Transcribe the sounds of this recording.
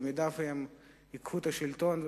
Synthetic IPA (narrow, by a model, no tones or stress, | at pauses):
mid̪afjem | ikhut̪aʃilt̪on